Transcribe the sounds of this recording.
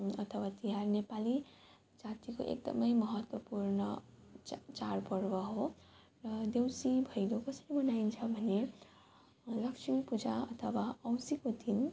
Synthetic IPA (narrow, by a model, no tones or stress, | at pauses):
ʌt̪ʰʌwat̪iɦarnepali | d͡zat̪iko̰ʔḛk̚d̪ʌ̰mʌjmʌɦʌt̪wʌpuɾnʌ | t͡ʃaɾpʌɾbʌɦo | rʌd̪ewsibʱʌjlokʌsʌɾibʌnaint͡sʰʌbʱʌne | lʌkt͡ʃʰmipud͡zaʌt̪ʰʌwaʌwsikot̪ʰin